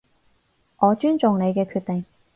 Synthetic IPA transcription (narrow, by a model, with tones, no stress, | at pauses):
ʔɔː˨˧t͡ʃyː˥nt͡ʃʊ˨ŋne˨˧jkɛː˧kʰyː˧t̪̚ɪ˨ŋ